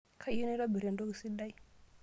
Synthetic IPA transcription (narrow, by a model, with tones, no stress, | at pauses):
kʰa˦i˦no˦ɾa˦bi˨ɾe˨ndo˦ɡi˨si˦ɗa˦i˦